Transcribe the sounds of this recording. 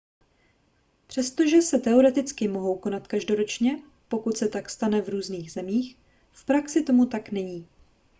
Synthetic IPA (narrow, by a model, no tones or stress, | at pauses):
pr̝̥ɛst̪o̞ʒɛsɛt̪ɛo̞ɾɛt̪ɪt͡skɪmo̞ɦo̞wko̞nat̪kaʒdo̞ɾo̞t͡ʃɲɛ | po̞kut̪sɛt̪akst̪anɛvɾuːzniːɣzɛmiːx | fpɾaksɪt̪o̞mut̪aknɛɲiː